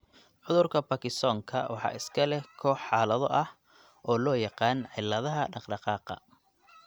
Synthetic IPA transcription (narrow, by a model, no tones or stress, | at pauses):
ʕʊðʊrkʰɐbɐkɪsɔːŋkʰɐwʔɑ̰ħɑ̰ːɪskʰɐlɛkʰɔːħɑːlɐðɔʔɐh | ʔɔːlɔːjɑqɑːnʕɪlɐðɐɦɐɖɑqɖɑqɑːqɑ̰